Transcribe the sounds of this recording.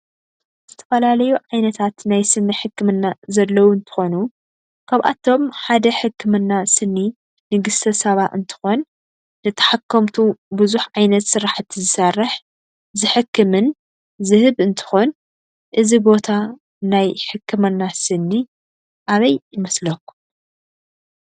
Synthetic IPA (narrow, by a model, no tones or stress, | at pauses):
z̥ɨt̪ʰɐfɐlalɐjuʕajnɐt̪ʰat̪najsɨnːiħɨkːɨmɨnːazɐlːɐwuɨnt̪ʰɨ̥xo̞nu | kʰaβʔa̰t̪ʰo̞mħad̪ɐħɨkʰːɨmɨnːasɨnːi | nɨɡɨst̪ʰɐsɐβaʔɨnt̪ʰɨ̥xo̞nː | ɨt̪ʰɐ̥ħakːɐmt̪ʰubɨzuħʕajnɐt̪sɨɾaħɨt̪ʰːizɨsɐrːɨħ | zɨħɨkːɨmɨn | zɨhɨβɨnt̪ʰɨ̥xo̞n | ʔɨzibo̞t̪ʰa | najħɨkʰːɨmɨnːasɨnːi | ʔaβɐjːɪmɐslɐkːu̥